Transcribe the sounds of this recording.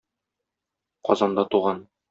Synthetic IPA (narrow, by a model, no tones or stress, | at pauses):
qɒ̰zɑnd̪ɑt̪uʁɑn